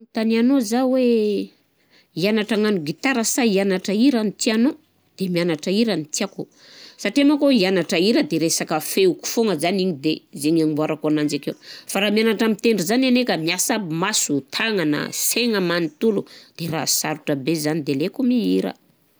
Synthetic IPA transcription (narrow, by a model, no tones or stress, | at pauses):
t̪anianozawe | ianaʈ͡ʂaŋanuɡit̪aɾəsaianaʈ͡ʂəiɾanit̪iano | d̪̥emianaʈ͡ʂəiɾanit̪iaku | saʈ͡ʂiamakoianaʈ͡ʂəiɾəd̪eɾesakəfeuku̥foŋəzaniɲid̪ezeɲaŋimbuaɾakoanand͡zakewfaɾamianaʈ͡ʂəmit̪eɳɖ͡ʐuzananekəmiasabmasut̪ʰaŋanə̰seŋəmanit̪ulud̪̥erasaɾuʈ͡ʂəbezanid̪elekumiiɾə̰